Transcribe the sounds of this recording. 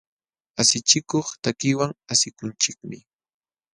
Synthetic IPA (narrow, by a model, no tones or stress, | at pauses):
asɪt͡ʃɪkoχt̪akɪwaŋasɪkʊnt͡ʃɪkmɪ